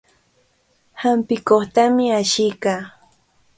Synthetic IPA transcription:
hampɪkoχt̪amɪaʃɪjkaː

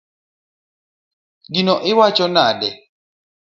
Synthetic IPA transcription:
ɡinɔʔɪwat͡ʃɔnadɛ

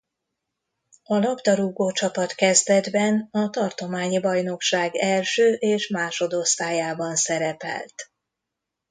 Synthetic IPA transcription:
ɒlɒbd̪ɒɾuːɡoːt͡ʃɒpɒt̪kɛzd̪ɛd̪bɛnɒt̪ɒrt̪o̞maːɲibɒjno̞kʃaːɡɛlʃøːʔeːʃmaːʃo̞d̪o̞st̪aːjaːbɒnsɛɾɛpɛ̰lt̪

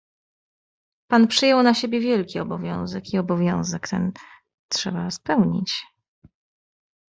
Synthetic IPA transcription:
panpʂɘjɛwnaɕebʲjɛvʲjɛlkʲiɔbɔvʲjɔ̰̃w̃zɛkiɔbɔvʲjɔ̃w̃zɛkt̪ɛ̰n | tʂɛbaspɛwɲḭt͡ɕ

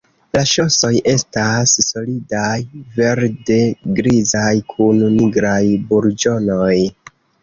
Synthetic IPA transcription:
laʃo̞so̞jʔe̞stasːo̞lidajve̞ɾde̞ɡɾizajkʰunniɡɾajbuɾd͡ʒo̞no̞j

